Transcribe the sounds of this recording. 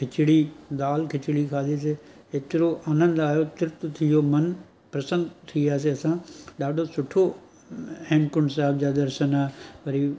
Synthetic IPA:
kʰɪt͡ɕɪɽid̪aːlkʰɪt͡ɕɪɽikʰaːlis̬e | eːt̪ɪɾoʔaːnə̃nd̪aːjot̪ɪɾt̪t̪ʰijomɐn | pɾɐsə̃nd̪t̪ʰiiaːs̬eɐsãɗaːɖʱosʊʈʰo | hẽːmkʊɳɖsaːb̚d͡ʑaːd̪ɐɾʃənaːeʋɐɾi

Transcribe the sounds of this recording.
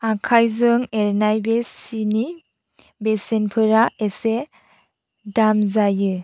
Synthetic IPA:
akʰajzɯŋeɾnajbesini | besenpʰɯɾaese | damzajɯ

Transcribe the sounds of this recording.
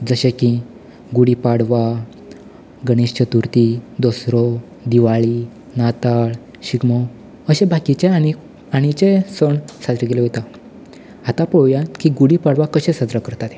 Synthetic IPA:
d͡zəɕẽkĩ | ɡuɽipaɽʋa | ɡəɽ̃ist͡ɕət̪uɾt̪id̪ɔsɾɔ | d̪iʋaɭi | nat̪aɭ | ɕiɡmɔ | əɕẽbakit͡ɕẽai | aɽ̃it͡ɕẽsəɳsad͡zɾakeleɦot̪a | at̪apɔwjãkiɡuɽipaɽʋakəɕẽsad͡zɾakəɾt̪at̪e̥

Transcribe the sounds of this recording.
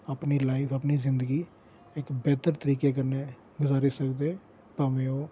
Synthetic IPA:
aːpniːlaːifʰapniːzɪnd̪əɡiː | ɪkbɛːt̪əɾt̪əɾiːkeːkəɾneː | ɡʊzaːɾisəkd̪eː | paːmẽːoː

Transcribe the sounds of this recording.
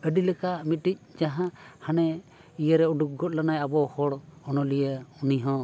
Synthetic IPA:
əɖilɛkamit̪̚ːic̚ˀd͡ʒaɦãhanɛ | ijəɾɛuɖuk̚ɡɔt̪̚lanajabɔhɔɽɔnɔlijəuniɦɔ̃

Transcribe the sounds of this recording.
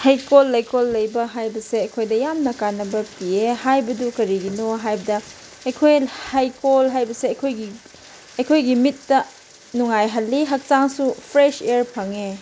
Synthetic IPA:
hajkolːɐjkolːɐjbɐɦajbɐseɐjkʰojdɐjamnɐkanːɐbɐpiehajbɐdukɐɾiɡinoɦajbɐdɐ | ɐjkʰojhajkolɦajbɐseɐjkʰojɡi | ɐjkʰojɡimitːɐ | nuŋajɦɐlːiɦɐk̚saŋsupʰɾeseɾpʰɐŋe

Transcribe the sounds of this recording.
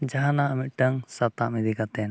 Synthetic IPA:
d͡ʒaɦãnaəmit̪̚ʈəŋsat̪amid̪ikat̪ɛn

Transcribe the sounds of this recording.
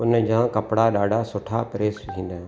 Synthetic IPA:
ʊnd͡ʑãːkɐpɽaɗaːɖʱasʊʈʰapɪɾeːsk̪ʰĩːnd̪aːɦ

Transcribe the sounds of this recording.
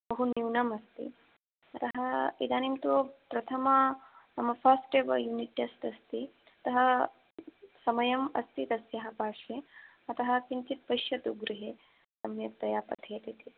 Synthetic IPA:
bɐɦuniwnɐmɐst̪ḭ | ɐt̪ɐɦɐid̪aːnimt̪oːpɾɐt̪ʰɐmɐnɐmɐfʰaːsʈeːʋɐjuːniʈːɐst̪ɐst̪i | ɐt̪ɐɦɐ | sɐmɐjɐmɐ̰st̪it̪ɐsjɐɦɐpaːʂe | ɐt̪ɐɦɐ̆kint̪it̪̚pɐʃjɐt̪uɡɾiɦeː | sɐmjɐkt̪ɐjaːpɐ̰t̪ʰeːt̪it̪i

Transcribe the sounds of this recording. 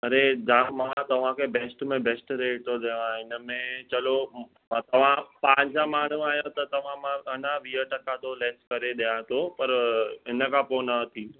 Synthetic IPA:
ɐɾed͡ʑãmãt̪ɐʋ̤ãkʰebeːsʈmẽbeːsʈɾeːʈt̪ʰoɗejõaːɦɪnə̆mẽt͡ɕɐlo | t̪ɐʋ̤ãpãːɲd͡ʑãmaːɳ̤ũaːɦjõt̪ɐt̪ɐʋ̤ãmãɐnaʋiːɦəʈɐkat̪oleːskɐɾeɗijãt̪ʰopɐɾɦɪnəkʰãponat̪ʰĩːo

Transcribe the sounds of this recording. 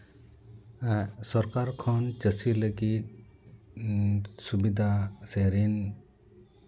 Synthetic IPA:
sɔɾkaɾkʰɔnt͡ʃəsiləɡit̪̚ | subid̪ʱaseɾin

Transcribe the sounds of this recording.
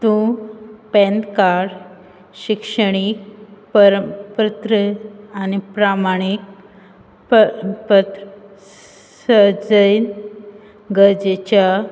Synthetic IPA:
t̪ũpɛ̃nd̪kaɾ | ɕikʂəɽ̃ik̚pəɾəpɾət̪ɾəanipɾamaɽ̃ik̚ | ppət̪ɾ | səd͡zəjn | ɡəɾd͡ʑet͡ɕja

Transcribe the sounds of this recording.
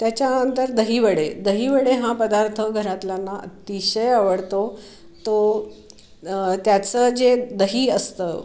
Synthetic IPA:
t̪jat͡ɕjaənt̪əɾd̪əɦiʋəɽed̪əɦiʋəɽeɦãpəd̪aɾt̪ʰəɡʱəɾat̪ljanːaʔə̰t̪iɕəjaʋəɽt̪o | t̪o | t̪jat͡səd͡zed̪əɦiːəst̪əː

